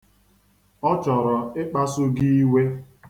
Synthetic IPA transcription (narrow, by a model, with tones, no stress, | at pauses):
ɔ˦t͡ʃɔ˨ɾɔ˨ɪ˦k͡pa˦sʊ˦ɡi˦i˦we˦